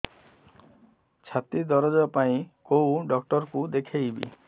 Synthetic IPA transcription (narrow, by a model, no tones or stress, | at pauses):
t͡ʃʰat̪id̪ɔɾɔd͡ʒɔpaĩkowɖɔkʈɔɾkud̪ekʰejbḭ